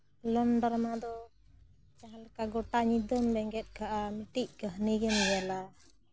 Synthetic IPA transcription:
lənɖɔɾmad̪ɔ | t͡ʃaɦalkaɡɔʈaɲid̪ɔmbɛŋɡɛt̪̚ˀkʰaʔamiʈic̚kəɦniɡɛnbɛla

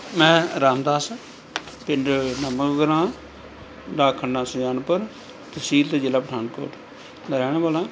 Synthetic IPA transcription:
mɛ̃ːɾaːmd̪aːs | pɪɳɖnəməkɡəɾãː | ɖaːkʰːənːãːsʊjaːnpəɾ | t̪əsiːlt̪aːd͡ʒɪlaːpəʈʰaːnko̰ːʈ | d̪əɾɛːɽ̃ẽbaːlãː

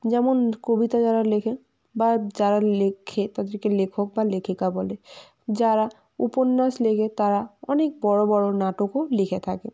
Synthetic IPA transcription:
d͡ʒɛmɔnkobit̪ad͡ʒaɾalekʰe | bad͡ʒaɾalekʰet̪ad̪iɾkelekʰɔk̚balekʰikabɔle | d͡ʒaɾa | ṵpɔnːaslekʰet̪aɾaɔnek̚bɔɹobɔɹonaʈokolikʰet̪ʰake

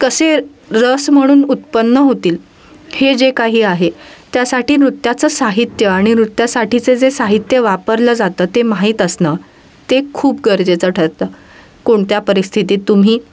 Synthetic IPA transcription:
kəse | ɾəsm̤əɽ̃uːnut̪pənːəɦot̪iːl | hed͡zekaɦiːaɦet̪jasaʈiːnɾut̪jat͡səːsaɦit̪jəaɽ̃iɾut̪jasaʈit͡sed͡zesaɦit̪jəʋapəɾləːd͡zat̪əːt̪emaɦiːt̪əsnə | t̪ekʰuːpɡəɾd͡zet͡səʈʰəɾt̪əː | koɳt̪japəɾist̪ʰit̪iːt̪ːum̤iː

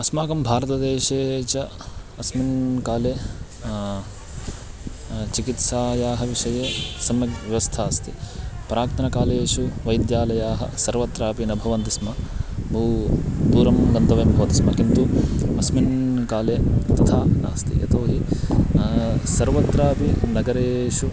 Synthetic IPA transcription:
ɐsmaːkɐmbʱaːɾɐt̪ɐd̪eːʂeːt͡ʃɐ | ɐsminkaːleː | t͡ʃikit̪saːjaːɦɐʋiʂɐjeːsɐmjɐʋjɐʋɐst̪ʰaːst̪ipɾaːkt̪ɐnɐkaːleːʂuʋɐjd̪jaːlɐjaːɦɐ̰sɐɾʋɐt̪ɾaːpinɐbʱɐʋɐnt̪ismɐbʱuːd̪uːɾɐmɡɐnt̪ɐʋɐmbʱɐʋɐt̪ismɐkint̪uɐsminkaːleːt̪ɐt̪ʰaːna̰ːst̪ḭʔɐ̰t̪oːɦi | sɐɾʋɐt̪ɾaːpinɐɡɐɾeːʂu

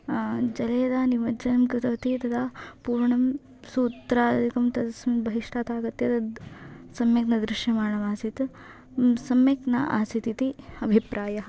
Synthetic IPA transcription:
d͡ʒɐleːd̪aːniʋɐd͡ʒɐnɐmkɾɪt̪ɐʋɐt̪it̪ɐd̪ʰɐpuːɾɳɐm | suːt̪ɾaːdd̪ʱikɐmt̪ɐd̪ɐsbɐɦiʂʈaːt̪aːɡɐt̪jɐt̪ɐ | sɐmjɐknɐd̪ɾɪʃjɐmaːɳɐmaːsit̪ | sɐmjɐknɐ̰ʔa̰ːsit̪it̪iɐbʱipɾaːjɐɦɐ

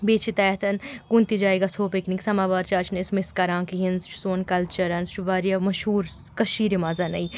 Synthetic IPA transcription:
beːt͡ʃʰit̪ɛːt̪ʰɐnkunt̪id͡ʒaːeɡasʰoːpekniksɐmaːʋaːɾt͡ʃaːt͡ʃʰnismɪskɐɾãːŋkiɦinzt͡ʃsoːnkɐlt͡ʃɐɾɐnʃuʋaːɾijamɐʃɦuːɾ | kɐʃiːɾimaːzɐnɐi

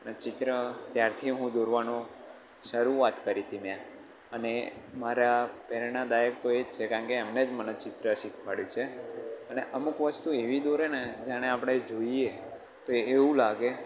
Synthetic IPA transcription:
net͡ʃɪt̪ɾət̪jaɾt̪ʰiɦũd̪oɾʋanõ | ʃəɾuʋat̪kəɾit̪ʰimjã | ənemaɾapɛɾnad̪ajək̚t̪oed͡ʒt͡ʃʰekãɳkeɛmned͡ʒmənet͡ʃɪt̪ɾəʃikʰʋaɭjũt͡ʃʰeəneʔəmukʋəst̪ueʋid̪oɾened͡ʒaɽ̃eapɽ̃ed͡ʒoie | t̪oeːʋũlaɡe

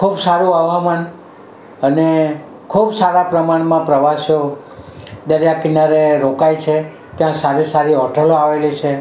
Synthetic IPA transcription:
kʰubsaɾũaʋaman | əne | kʰubsaɾapɾəmaɽ̃mãpɾəʋasjo | d̪əɾjakinaɾeɾokajt͡ʃʰe | t̪jãsaɾisaɾiɦɔʈʰəloaʋelit͡ʃʰe

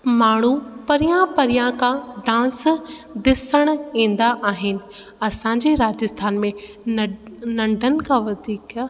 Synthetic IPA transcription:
maːɽ̤̃upɐɾijãpɐɾijãkʰãɖãːsd̪ɪsəɽ̃ĩːn̆d̪aʔaːɦɪnɪ̆ | ɐsãɲd͡ʑeɾaːd͡ʑəst̪ʰaːnmẽ | nɐ̃ɳɖʱənɪ̆kʰãʋɐd̪ʱiːka

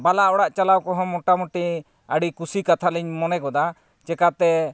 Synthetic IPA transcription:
balaʔɔɽaʔt͡ʃalawkɔɦɔ̃mɔʈaməʈi | əɽikusikat̪ʰaliɲmɔnɛkɔd̪a | t͡ʃɛkat̪ɛ

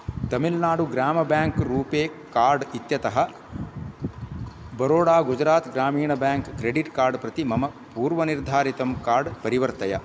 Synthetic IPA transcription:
t̪ɐmilnaːɽuɡɾaːmɐbjaːŋkɾuːpeː | kaːɾɖit̪jɐt̪ɐɦɐ | bɐɾoːɽaːɡud͡ʒɾaːt̪ɡɾaːmiːɳɐbjaːŋkːɾeɖiʈkaːɾɖpɾɐt̪imɐmɐ | puːɾʋɐniɾd̪ʱaːɾit̪ɐmkaːɾɖpɐɾiʋɐɾt̪ɐjɐ

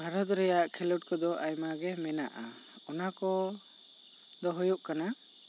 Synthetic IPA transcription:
bʱaɾɔt̪ɾɛjaʔkʰɛluʈ̚kɔd̪ɔʔajmaɡɛmɛnaʔa | ɔnakɔ | d̪ɔɦujuʔkana

